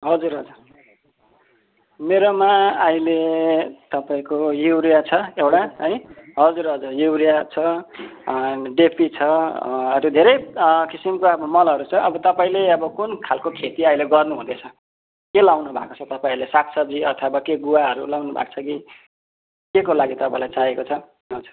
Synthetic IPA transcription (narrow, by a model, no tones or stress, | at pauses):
ɦʌd͡zuɾɦʌd͡zur | meɾomaaĩlet̪ʌpaĩkojuwɾijat͡sʰʌewʈaɦʌjɦʌd͡zurɦʌd͡zurjuwɾijat͡sʰʌ | ɖepʰit͡sʰʌʌtod̪ʱeɾʌjkisimkoʌbʌmʌlʌɾut͡sʰʌʌbʌt̪ʌpaĩleʌbʌkunkʰalkokʰet̪iʌileɡʌrnuɦṵ̃d̪et͡sʰʌ | kelawnubʱa̰kot͡sʰʌt̪ʌpaĩlesaksʰʌbd͡ziʌt̪ʰabakeɡuwaɦʌɾulawnubʱa̰kt͡sʰʌki | kekolaɡit̪ʌpã̰ĩlajt͡saɦekot͡sʰʌ | at͡sʰʌ̥